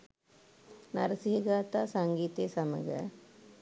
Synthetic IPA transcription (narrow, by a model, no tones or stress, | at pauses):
nɐɾɐsiɐɡaːt̪aːsɐŋɡiːt̪eːsɐmɐɡɐ̰